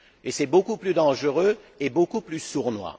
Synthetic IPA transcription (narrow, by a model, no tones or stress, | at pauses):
esɛbokuplyd̪ɑ̃ʒəʁø | ebokuplysuʁnwa̰